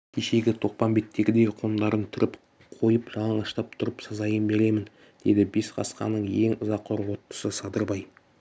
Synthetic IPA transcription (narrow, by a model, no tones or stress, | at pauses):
kʲʰeʃe̞ɡʲɪt̪ʰo̞q̚pɑmbe̞t̪ːe̞ɡʲɪd̪e̞qʰo̞nd̪ɑɾənt̪ʰʏɾʔɪp | qʰo̞jəpʒɑlˠəɴɑʃt̪ɑp̚t̪ʰʊɾəpsɑzɑjənbe̞ɾe̞mɪn | d̪̥e̞d̪ɪbesqʰɑ̰sqɑ̰nːəɴje̞ŋʊzɑqʰːoɾwo̞t̪ːə̥səsɑd̪əɾbɑj